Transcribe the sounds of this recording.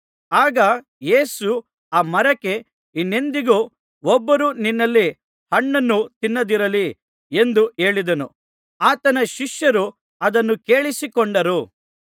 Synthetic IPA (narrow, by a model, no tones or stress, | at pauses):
aːɡɐ | je̞ːsu | aːmɐɾɐke̞ | inːe̞nd̪iɡu | ɔbːɐɾuninːɐlːi | hɐɳːɐnːut̪inːɐd̪iɾɐli | e̞nd̪uʔe̞ːɭid̪ɐnu | aːt̪ɐnɐʃiʂjɐɾu | ɐd̪ɐnːuke̞ːɭisikoɳɖɐɾu